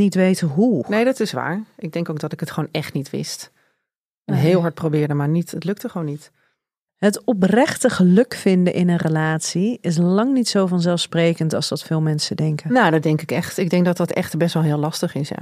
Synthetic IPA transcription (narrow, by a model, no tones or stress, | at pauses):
nitʋejtəɦunejdɑtɪsʋa̰ːɹɪɡ̚dɛŋkowk̚dɑtɪkətχʋownɛχtnitʋɪ̰st | ɛnɦɪːlˠɦɑɹt̚prowbɪːɹdəmaːɹnitətlɵk̚təχəʋownit | ɦətɔp̬rɛχtəχəlɵkfɪndəʔɪnənrəlaːtsiɪs̬lɑŋnitsowvɑnzɛlˠfsprejkəntɑlˠsdɑtfɪːlˠmɛnsədɛŋkənowdɑdɛŋkɪkɛχtɪɡ̚dɛŋk̚dɑt̚dɑtɛ̰χtbɛstʋɛlˠɦɪːlɑstəχɪsja̰